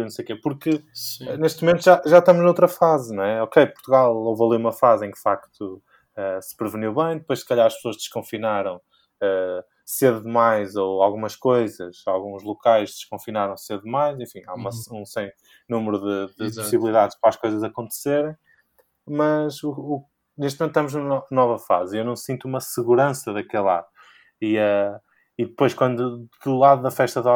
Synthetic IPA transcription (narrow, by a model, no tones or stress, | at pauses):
nõsejukepuɾkɨ̃ɛneʃt̪mumẽnt̪uʒaʒaʃt̪ɐmuʒnɐowt̪ɾɐfazñɛɔkejpuɾt̪uɣalˠowvɐlˠiumɐfazẽk̚ð̥fakt̪u | ɛsɨ̥pɾɨvɨniwβɐ̃j̃d̪ɨpojʃsɨ̥kɐʎaɾɐʃpsoɐʒðɨʃkõfinaɾɐ̃w̃ | ɛ | seððɨmajzoalˠɣumɐʃkojzɐʃalˠɣũʒlˠukajʒðɨʃkõfinaɾɐ̃w̃seððmajʃẽfĩa̰umɐsũsẽj̃ | numɾuðɨðɨusiβlˠiðaðʃpɾaʃkojzɐzɐkõnt̪seɾẽj̃ | mɐzuu | neʃt̪mẽt̪ːt̪ɐmuʒnumɐɔnɔvɐfa̰ziewnɐ̃w̃sĩnt̪uumɐsɨɣuɾɐ̃sɐðɐkelˠa̰ðu | iɐ | iðɨpojʃkwɐ̃nd̪uðulˠaðuðɐfɛʃt̪ɐð